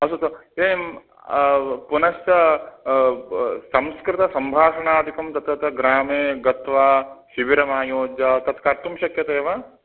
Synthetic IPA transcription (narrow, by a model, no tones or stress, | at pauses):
ɐsut̪ɐeːm | punɐst͡ʃɐ | sɐ̃mskɾɪt̪ɐsɐmbʱaːʂɐɳaːd̪ʱikɐmt̪ɐt̪ɐt̪ʰɐɡɾaːmeːɡɐt̪ʋaːʃiʋiɾɐmaːjoːd͡ʒat̪ɐt̪kaːɾt̪umʃɐkjɐt̪ɐeːʋaː